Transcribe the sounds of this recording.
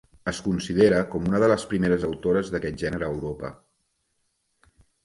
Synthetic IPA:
əskunsiðeɾəkɔmunəðələspɾimeɾəzəwt̪oɾəzðəkɛt̪̚ʒɛnəɾəːwɾopə̰

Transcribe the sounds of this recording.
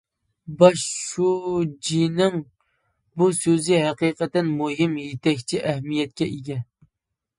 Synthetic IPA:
bɑʃud͡ʒinɪŋ | busøzɪɦæqiqət̪ɪnmuɦɪmjet̪ʰɛkʲt͡ʃʰiʔɛhmijɛt̪̚kʲɛʔiɡʲɛ

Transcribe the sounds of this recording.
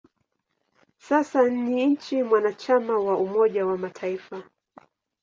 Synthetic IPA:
sasaniɲ̩t͡ʃimwanat͡ʃamawaumɔʄawamatʰaifa

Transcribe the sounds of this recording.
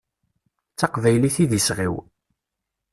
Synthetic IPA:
t͡sːɑqvæjliθiðisʁiw

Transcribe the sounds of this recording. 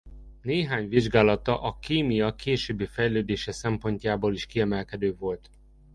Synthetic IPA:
neːɦaːɲʋiʒɡaːlɒt̪ɒʔɒkeːmijɒkeːʃøːbːeːfɛjløːd̪eːʃɛsɛmpo̞ɲcaːboːliʃkiɛmɛlkɛd̪øːvo̞lt̪

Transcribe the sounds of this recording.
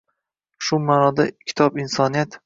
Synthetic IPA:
ʃʊmaːnɒd̪akʲʰɪ̥t̪ʰɒbɪnsɒnijat̪

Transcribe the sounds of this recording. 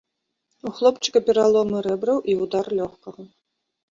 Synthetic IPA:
uxlˠɔpt͡ʃɨ̥kɐpʲɛɾalˠɔmɨɾɛbɾɐwʔiwd̪arlʲɔxkɐɣɐ

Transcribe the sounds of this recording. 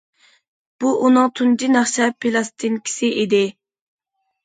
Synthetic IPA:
b̥uʔunɨŋt̪ʰund͡ʒinɑχʃɛpʰilˠɑst̪inkʲʰi̥sɪʔid̪ɪ

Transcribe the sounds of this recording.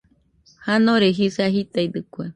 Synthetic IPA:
hanõɾeɦisaɦit̪aid̪ɨkue

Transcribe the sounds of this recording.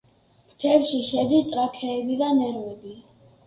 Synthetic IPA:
pʰt̪ʰɛpʃiʃɛd̪ist̪ʼɾakʰɛːbid̪anɛɾwɛbi

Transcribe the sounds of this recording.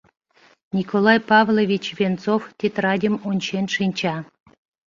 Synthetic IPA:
nʲikʰolˠɑjpɑvlˠovʲit͡ɕvʲent͡soft̪ʲet̪rɑdʲimonʲɕenʲʃɨnʲt͡ɕɑ

